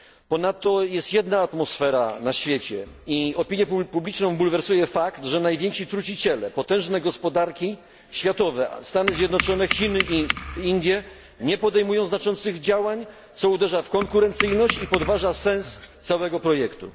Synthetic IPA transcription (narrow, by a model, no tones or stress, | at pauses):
pɔnat̪ːɔjɛst̪jɛd̪naːt̪mɔsfɛɾa̰naɕfʲjet͡ɕɛ | iɔpʲiɲjɛppublʲit͡ʂnɔ̃w̃bulvɛɾsujɛfakt̪ʐɛnajvʲjɛŋkʂit̪ɾut͡ɕit͡ɕɛlɛpɔt̪ɛ̃w̃ʐnɛɡɔspɔd̪aɾkʲi | ɕfʲjat̪ɔvɛst̪anɘzʲjɛd̪nɔt͡ʂɔnɛxʲinʔiind̪ʲjɛ | ɲɛpɔd̪ɛjmujɔ̃w̃znat͡ʂɔnt̪sɘɣd͡ʑawaɲ | t̪sɔud̪ɛʐafkɔŋkuɾɛnt̪sɘjnɔɕt͡ɕipɔd̪vaʐasɛ̃nst̪sawɛɡɔpɾɔjɛkt̪ṵ